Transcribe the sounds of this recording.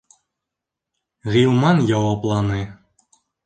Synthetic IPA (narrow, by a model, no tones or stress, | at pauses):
ʁilˠmɑnjɑwɑplˠɑnɨ